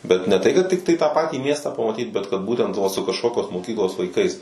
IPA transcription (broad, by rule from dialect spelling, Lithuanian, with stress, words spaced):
bʲɛt nʲɛ tɐɪ kɐt ˈtʲɪktɐɪ tɑː ˈpɑːtʲiː mʲiɛstɑː pɐmɐˈtʲiːt bʲɛt kɐt ˈbuːtʲɛnt ʋɐ sʊ kɐʃˈkoːkʲoːs moːˈkʲiːklˠoːs ʋɐɪˈkɐɪs